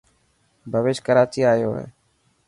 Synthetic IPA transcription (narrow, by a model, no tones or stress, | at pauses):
bʱəʋɪːʃkəɾaːt͡ʃiːaːjoːɦḛː